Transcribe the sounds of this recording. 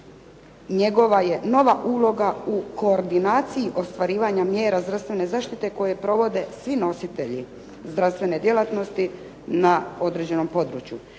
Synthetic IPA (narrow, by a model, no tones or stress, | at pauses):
ɲe̞ɡo̞ʋaje̞no̞ʋaʔuːlo̞ɡauko̞ːɾd̪inaːt̪sijiʔo̞st̪ʋaɾiːʋaɲamje̞ːɾazd̪ɾast̪ʋe̞ne̞zaːʃt̪it̪e̞ko̞je̞pɾo̞ʋo̞d̪e̞sʋino̞sit̪e̞ʎi | zd̪ɾafst̪ʋe̞ne̞d̪je̞lˠat̪no̞st̪i | nao̞d̪ɾe̞d͡ʑe̞no̞mpo̞d̪ɾṵt͡ɕjṵ